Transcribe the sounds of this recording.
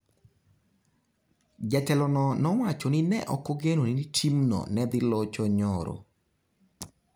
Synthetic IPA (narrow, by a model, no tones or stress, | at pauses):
d͡ʒɛtɛlɔnɔnɔwat͡ʃonɪnɛ̰ʔɔkoɡenoninitʰimnɔ̰nɛd̪ɪlɔt͡ʃɔɲɔɾo̰